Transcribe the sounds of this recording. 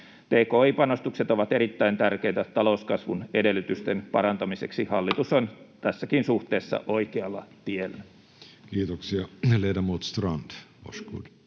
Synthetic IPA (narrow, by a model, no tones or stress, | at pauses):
t̪eːkoːiːpɑnost̪ukset̪oʋɑt̪eɾit̪ːæint̪ærkeit̪æt̪ɑlouskɑsʋunedelːˑyt̪yst̪enpɑ̰ɾɑnt̪ɑmisḛksihɑlːit̪usont̪æsːækinsuht̪eːsːɑ̰ʔoikeɑlːɑt̪ielːæ | kiːt̪oksiɑleːdɑmuːt̪st̪rɑnd̪̥o̰skṵːd̥